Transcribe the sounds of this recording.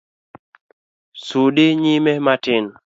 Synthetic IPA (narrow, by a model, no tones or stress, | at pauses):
suɗɪɲimɛmatɪn